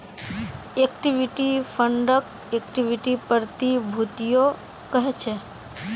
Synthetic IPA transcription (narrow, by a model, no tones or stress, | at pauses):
ekʈiʋiʈifʰəɳɖək̚ | ek̚ʈiʋiʈipəɾt̪ibʱut̪ijo | kəɦet͡ʃʰe